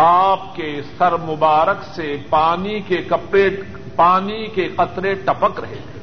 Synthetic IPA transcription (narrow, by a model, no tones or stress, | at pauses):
aːpkesɐɾmʊbaːɾəksepaːnikekɐpɾeʈ | paːnikeqɐt̪ɾeʈɐpəkɾɐɦet̪ʰeː